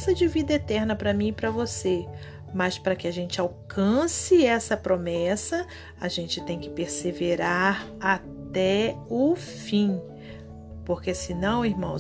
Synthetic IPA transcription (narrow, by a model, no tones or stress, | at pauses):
sɐd͡ʒɪvid̪ɐet̪ɛɾnɐpɾɐmĩpɾɐvose | mɐspɾɐkɪaʒẽnt͡ʃɪawkɐ̃sɪɛsɐpɾomɛsɐ | aʒẽnt͡ʃɪt̪ẽj̃kɪ̥peɾseveɾaɾat̪ɛʊ | fĩ | poɾkesɪnɐ̃w̃iɾmɐ̃w̃